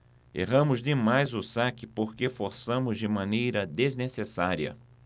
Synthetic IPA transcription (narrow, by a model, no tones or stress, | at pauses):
ḛɦɐ̃mʊzd̪ɪmajzʊsakɪpoɾkefoɾsɐ̃mʊzd͡ʒɪmɐ̃nejɾɐd̪eznesesaɾiɐ̰